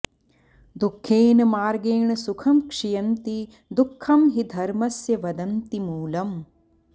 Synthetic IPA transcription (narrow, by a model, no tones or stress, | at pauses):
d̪ukʰːeːnɐmaːɾɡeːɳɐsukʰɐmkʂijɐnt̪i | d̪ukʰːɐmɦid̪ʱɐɾmɐsjɐʋɐd̪ɐnt̪imuːlɐm